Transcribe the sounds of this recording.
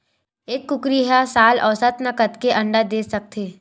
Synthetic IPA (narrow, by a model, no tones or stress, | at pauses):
eːkːʊkɾiɦasaːlɔːsət̪nɐkət̪keʔɐ̃ɳɖad̪eːsɐk̚t̪ʰeː